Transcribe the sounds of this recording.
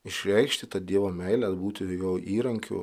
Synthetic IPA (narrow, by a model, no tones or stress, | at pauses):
ɪʃʲɾʲɛɪkʃʲt̪ʲɪt̪ɐd̪ʲiɛʋoːmʲɛɪlʲæt̪buːt̪ʲɪjoʊʔiːɾɐŋʲkʲʊ̰